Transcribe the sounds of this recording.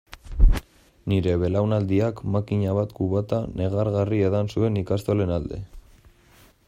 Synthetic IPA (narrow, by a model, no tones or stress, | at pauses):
niɾe̞βe̞lawnald̪iakmakiɲaβat̪kuβat̪ane̞ɣ̞aɾɣarieðansue̞nikast̪ole̞nald̪e̞̰